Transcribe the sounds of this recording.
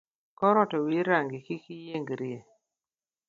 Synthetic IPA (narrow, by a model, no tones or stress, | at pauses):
kɔɾɔtɔwiɾaŋɡikikijeŋɡɾɪe